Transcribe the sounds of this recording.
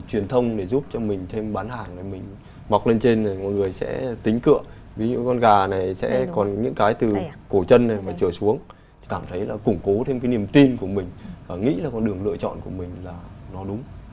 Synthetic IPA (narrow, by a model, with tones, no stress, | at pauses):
t͡ɕwi˨˩ənt̪ʰə˧wŋ͡mɗe˧˩zu˦˥p̚t͡ɕɔ˧mï˨˩ŋ̟t̪ʰe˧mɓaː˨˦nhaː˨˩ŋɗa˨˩jmï˨˩ŋ̟ | ma˨˩wk͡p̚le˧nt͡ɕe˧na˨˩ŋɔ̰˧˨jŋɨ˨˩əjsɛ̰˧˥t̪ï˨˦ŋ̟kɨ̰˧˨ə | vi˨˦ɲɨ̰˧˥kɔ˧nɣaː˨˩na˨˩jsɛ̰˧˥kɔ˨˩nɲɨ̰˧˥ŋkaː˨˦jt̪ɨ˨˩ko˧˩t͡ɕə˧nːa˨˩jmaː˨˩t͡ɕəː˧˩jsu˨˦əŋ | kaː˧˩mt̪ʰə˨˦jlaː˨˩kʊ˧˩ŋ͡mko˨˦t̪ʰe˧mkaː˨˦ni˨˩əmt̪i˧nku˧˩əmï˨˩ŋ̟vaː˨˩ŋḭ˧˥laː˨˩kɔ˧nɗɨ˨˩əŋlɨ̰˧˨ət͡ɕɔ̰˧˨nku˧˩əmï˨˩ŋ̟laː˨˩nɔ˨˦ɗʊ˨˦ŋ͡m